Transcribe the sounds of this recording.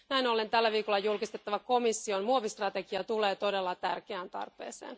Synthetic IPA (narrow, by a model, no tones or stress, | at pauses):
næinolent̪ælːæʋiːkolːɑjulkist̪et̪ːɑʋɑko̞misːio̞nmuoʋist̪rɑt̪eɡ̥iɑt̪ule̞ːt̪o̞de̞lːɑt̪ærkeænt̪ɑ̰rpˑe̞̰ːsḛːn